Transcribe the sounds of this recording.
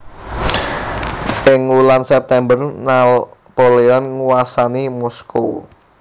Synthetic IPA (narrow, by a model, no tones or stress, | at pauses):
ʔɪŋulansɛp̚t̪ɛmbərnalpoleɔnŋuwasanimɔskṵ